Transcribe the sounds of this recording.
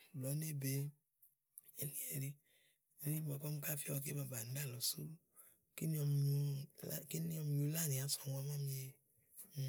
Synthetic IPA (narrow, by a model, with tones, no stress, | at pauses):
lɔ˨˦ne˦˨be˨ | e˨nĩ˦e˨ɾi˧ | e˦nĩ˦bɔ˨kɔ˦mu˦ka˦fi˦ɔ˧k̬e˦ba˧ba˨n̩˨˦da˦˨lɔ˨su˦ | ki˦nĩ˦ɔ˧m˧˨u˧a˦ke˦nĩ˦ɔ˧mi˨˧u˧˦la˦˨nĩ˨a˨sɔ˨wa˧mã˦mĩ˧je˧˨